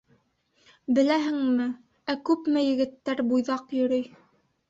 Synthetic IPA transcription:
bɘ̆læɦɘ̆ŋmɘ | ækʉpmɘjɘ̆ɡɘ̆t̪ːæɾbujðɑqjɵ̆ɾɵj

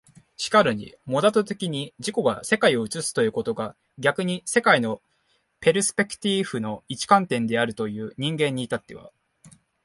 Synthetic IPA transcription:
ɕi̥kaɾɯ̟ɲ̟ḭmo̞d̪at̪ot̪e̞kʲiɲ̟id͡ʑiko̞ɡa̰se̞kaio̞ɯ̟t͡sɨsɨ̥t̪o̞jɯ̟ːko̞t̪o̞ɡa | ɡʲakɯ̟ɲ̟ise̞kaino̞ | pe̞ɾɯ̟sɨ̥pʲe̞kɯ̟̥t̪ʲiɸɯ̟no̞it͡ɕi̥kãnt̪ẽ̞nd̪e̞aɾɯ̟t̪o̞jɯ̟ːɲ̟ĩŋɡẽ̞ɲ̟ːiːt̪at̪ːe̞βa̰

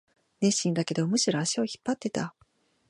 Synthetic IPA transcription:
ne̞ɕĩnd̪ake̞d̪o̞mɯ̟ɕiɾo̞aɕioçi̥pːat̪ːe̞t̪a

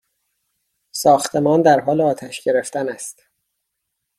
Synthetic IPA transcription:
sɒːxt̪ʰe̞mɒːnd̪æɾɦɒːleɒːt̪ʰæʃɟe̞ɾe̞ft̪ænæst̪

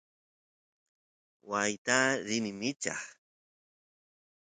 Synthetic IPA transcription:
wajt̪aɾɪmɪmɪt͡ʃɑ̰χ

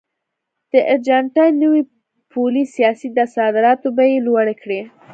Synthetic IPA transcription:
d̪̥əʔaɾd͡ʒaɳʈɑjnːəwi | pʰolisijɑsid̪asɑd̪ɪɾɑt̪obajelwaɽekɽe

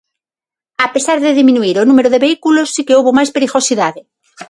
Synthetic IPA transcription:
ape̞saɾðeðimĩnuiɾonũmeɾoðeβeikulosːikeuβomaspeɾiɣosiðaðe

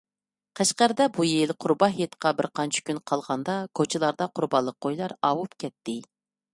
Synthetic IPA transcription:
qʰæʃqæɾd̪ɛbujilqʰʊɾbɑɦjet̪qʰɑbɪɾqʰɑnt͡ʃʰi̥kʲynqʰɑlˠʁɑnd̪ɑkʰot͡ʃʰilˠɑɾd̪ɑqʰʊɾbɑnlˠːəq̚ːojlˠɑɾɑwupkʲʰɛt̪ːɪ

